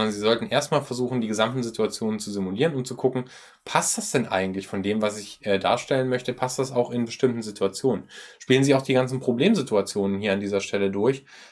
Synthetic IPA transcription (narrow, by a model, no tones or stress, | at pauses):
ndɐnziːzɔltn̩ʔeːɐstmaːlfɛɐzuːxn̩diːɡəzamtn̩zɪtʰuat͡sjoːnənt͡suzɪmuliːʁənʊntt͡sukʰʊkŋ̩ | pʰast̚d̥asd̥ɛnʔa̰ɪɡŋ̩tlɪçfɔndeːmvasɪçʔɛːda̰ːɐʃtɛlənmœçtəpʰast̚d̥asaʊxɪnbəʃtɪmtn̩zɪtʰuat͡sjoːnənʃpiːlənziːaʊxd̥iːɡant͡sn̩pʁ̥obleːmzɪtuat͡sjoːnənɦiːɐandiːzɐʃtʰɛlədʊɐç